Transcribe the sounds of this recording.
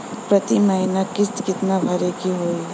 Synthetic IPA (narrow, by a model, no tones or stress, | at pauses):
pɾɐt̪imɐɦɪnakɪskɪt̪nabʱɐɾekiɦoːi